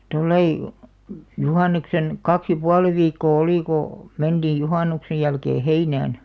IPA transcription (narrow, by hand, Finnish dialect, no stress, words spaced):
tolːɑi juhɑˑnˑeksen kɑks jɑ puɑlĭ ʋiːkːoː oliˑ ko mend̥iːj juhɑˑnuksej jælkeː heinæːn